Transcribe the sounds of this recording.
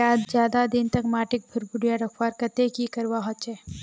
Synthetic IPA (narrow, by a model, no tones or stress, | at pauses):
aːd̪d͡ʒjaːd̪ad̪ɪnt̪ɐkmaːʈɪk̚bʱʊɾbʊɽijaɾɐkʰwaːɾkɐt̪ekikɐɾwaɦot͡ʃɛː